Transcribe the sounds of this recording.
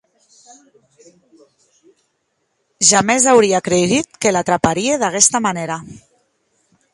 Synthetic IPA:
ʒamezawɾiakɾeðit̪̚kelat̪ɾapaɾieðakɛst̪amaneɾa

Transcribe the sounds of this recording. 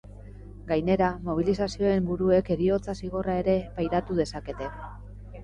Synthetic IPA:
ɡajne̞ɾamo̞β̞ilisasio̞e̞mbuɾue̞ke̞ɾio̞t͡sasiɣ̞o̞rae̞ɾe̞pajɾat̪uðe̞sake̞t̪e̞

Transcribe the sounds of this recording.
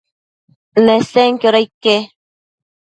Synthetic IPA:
neseŋkjoɾajke

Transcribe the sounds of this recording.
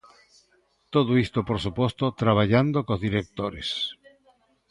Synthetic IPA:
t̪oðoist̪opoɾsupost̪ot̪ɾaβ̞aʎand̪okozðiɾek̚t̪oɾes

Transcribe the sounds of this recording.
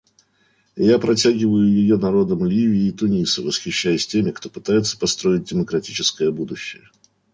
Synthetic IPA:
japɾɐtʲaɡʲɪvəjʊjɪjo̞nɐɾo̞d̪əmlʲivʲɪɪːt̪ʊnʲisɨvəsxʲɪɕːæjʊsʲtʲemʲɪkt̪o̞pɨ̥t̪ajɪt̪sə̥pɐst̪ɾo̞ɪt̚ʲdʲɪməkɾɐtʲit͡ɕɪskəjəbud̪ʊɕːɪ̰jə

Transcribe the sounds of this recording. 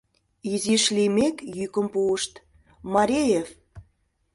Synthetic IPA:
iziʃlimekjykə̆mpuəʃt̪ | mɑɾʲejef

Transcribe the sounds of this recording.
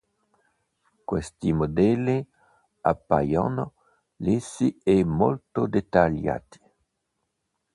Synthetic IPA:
kwɛst̪imod̪ɛlːi | a̰pːa̰jo̰n | lesiɛmo̰lt̪od̪et̪alja̰t̪i̥

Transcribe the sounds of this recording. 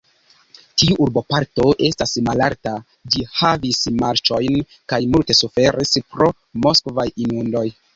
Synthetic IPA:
tiuʔːɾbo̞paɾto̞ʔe̞stasmala̰ɾta | d͡ʒihavismaɾt͡ʃo̞jn | kajmulte̞sufe̞ɾispɾo̞ | mo̞skvajinundo̞j

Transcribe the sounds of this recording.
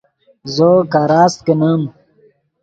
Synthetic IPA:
zokaɾaːst̪̚kenəm

